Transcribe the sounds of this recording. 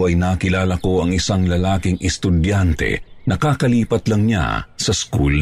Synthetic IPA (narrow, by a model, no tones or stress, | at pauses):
ʔɐjnaːkɪlaːlɐko̞ɐŋɪsaŋlɐlaːkɪŋɛst̪ʊd̪jant̪ɛ̰nɐkaːkɐliːpɐt̪lɐŋɲa̰sɐskṵl